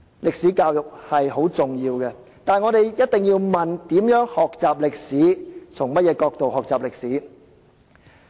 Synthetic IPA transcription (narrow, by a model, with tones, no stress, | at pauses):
lɪ˨k̚siː˨˥kaː˧wjʊ˨k̚hɐ˨jho˨˥wt͡sʊ˨ŋjiː˧wkɛ˧ | t̪aː˨nŋɔː˨˧ɾe˨jjɐ˥t̚t̪ɪ˨ŋjiː˧wmɐ˨nt̪iː˨˥mjœː˨˥ŋhɔː˨k̚t͡saː˨p̚lɪ˨k̚siː˨˥t͡sʰʊ˨˩ŋmɐ˥t̚jɛː˨˧kɔː˧k̚t̪o˨whɔː˨k̚t͡saː˨p̚lɪ˨k̚siː˨˥